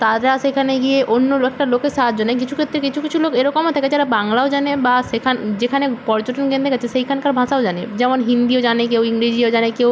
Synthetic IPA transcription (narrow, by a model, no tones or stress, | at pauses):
t̪ad̪ɾasekʰaneɡieʔonːolɛk̚ʈalokesat̪̚d͡ʑanek̬it͡ɕʰu̥kʰet̪ːɾekit͡ɕʰukit͡ɕʰulokeɾɔkomɦat̪ʰaked͡ʑaɾabaŋlaod͡ʑanebasekʰand͡ʑekʰanepɔɾd͡ʑoʈonkẽnd̪ekat͡ɕʰesekʰankaɾbʱãsaod͡ʒaned͡ʑɛmonɦind̪iod͡ʑanek̬ewiŋɡɾid͡ʑiod͡ʒanekew